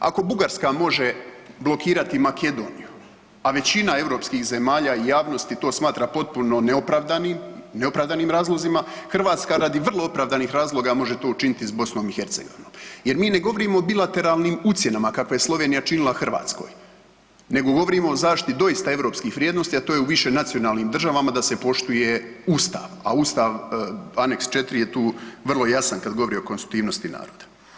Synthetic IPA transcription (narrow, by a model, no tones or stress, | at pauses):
a̰ko̞buɡaɾskamo̞ʒe̞blˠo̞kiːɾat̪imakʰe̞d̪o̞ːnḭju | aʋe̞t͡ɕinae̞vɾo̞pskiːxze̞maːʎaijaːʋno̞st̪it̪o̞ːsmaːt̪ɾapo̞t̪̚puno̞neopɾaʋd̪animne̞opɾaːʋd̪aniːmɾaːzlˠo̞zimaxrʋaːt̪skaɾad̪iʋrlˠo̞opɾaːvd̪anixɾaːzlˠo̞ɡamo̞ʒet̪o̞ːut͡ʃinit̪isbo̞sno̞mixe̞ɾt̪se̞̰ɡo̞̰ʋinoːmje̞ɾmiːne̞ɡo̞ʋo̞ɾiːmoːbilˠat̪e̞ɾaːlˠniːmut̪sje̞namakakʋajeslˠo̞ʋeːnijat͡ʃinilˠaxr̩ʋa̰ːt̪skoːj | ne̞ɡo̞ɡo̞ʋo̞ɾiːmo̞ozaːʃt̪it̪d̪o̞jist̪aeʋɾo̞ːpskiːxʋɾʲjeːd̪nost̪iat̪oːjeuʋiʃe̞nat̪sijo̞naːlˠniːmd̪r̩ʒaʋamad̪ase̞po̞ʃt̪uje̞ust̪a̰ːʋa̰uːst̪aʋane̞kst͡ʃe̞t̪ɾije̞t̪uːʋrlˠo̞jasankad̪ɡo̞ʋo̞ɾio̞konst̪ɾukt̪iːʋnost̪ina̰ːɾo̞ːd̪ḁ